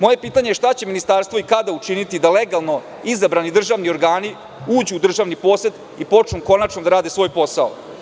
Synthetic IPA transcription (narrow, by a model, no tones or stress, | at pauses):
mo̞je̞piːt̪aɲejeʃt̪at͡ɕe̞minist̪aɾst̪vʋoikad̪aut͡ʃinit̪id̪aleɡalˠno̞ | izabɾanid̪r̩ʒaʋnio̞ɾɡaːni | uːd͡ʑuːd̪r̩ʒaːʋnipo̞ːset̪ | ipo̞t͡ʂnumko̞nat͡ʃnod̪aɾaːd̪esʋo̞ːjpo̞sao̰